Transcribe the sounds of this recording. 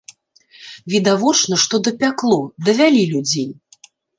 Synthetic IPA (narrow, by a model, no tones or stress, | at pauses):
vʲid̪avɔt͡ʂnɐʂt̪ɔd̪ɐpʲaklˠud̪ɐvʲalʲilʲud͡zʲej